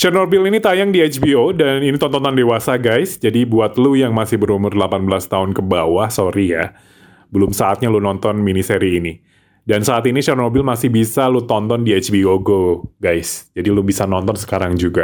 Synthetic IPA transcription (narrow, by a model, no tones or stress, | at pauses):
ʃɛrnobɪlinit̪ajaŋdiat͡ʃbiodaninit̪ɔnt̪ɔnt̪ɔndewasaɡajsd͡ʒadibuat̪̚lujaŋmasɪhbəɾumʊrdəlapanbəlast̪aɦʊnkəbawahsoɾija | bəlʊmsaːt̪̚ɲalunɔnt̪ɔnminiseɾiːni | dansaːt̪iniʃɛrnobɪlmasɪhbisalut̪ɔnt̪ɔndiet͡ʃbioɡoɡajsd͡ʒadilubisanɔnt̪ɔnsə̥kaɾaŋd͡ʒuɡa